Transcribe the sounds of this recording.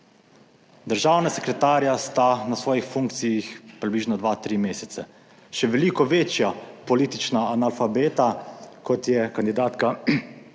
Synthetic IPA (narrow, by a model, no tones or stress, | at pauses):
d̪əɾʒaːwnasɛkɾɛt̪aːɾjast̪anasʋɔːjixfuŋkt̪sijixpɾibliːʒnɔd̪ʋat̪ɾimeːsɛt̪sɛ | ʃɛʋɛliːkɔʋeːt͡ʃjapɔlit̪it͡ʃnaːnalfabeːt̪akɔt̪jɛkand̪id̪aːt̪ka